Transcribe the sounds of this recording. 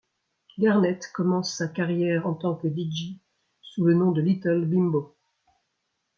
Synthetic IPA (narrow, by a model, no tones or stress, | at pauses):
ɡaʁnɛt̪kɔmɑ̃sːakaʁjɛʁɑ̃t̪ɑ̃kəd̪id͡ʒi | sulənɔ̃d̪əlit̪ɔlbimbo